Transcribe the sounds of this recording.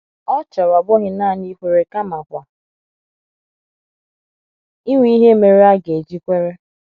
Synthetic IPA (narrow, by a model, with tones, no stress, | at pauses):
ɔ˦t͡ʃɔ˨ɾa˨bɔ˦ɦɪ˨na˦˨ni˦kʷe˨ɾe˨ka˦ma˨kʷa˨ | i˦ŋʷi˦ɦe˦me˨ɾe˦a˦ɡe˨d͡ʒi˦kʷe˦ɾe˦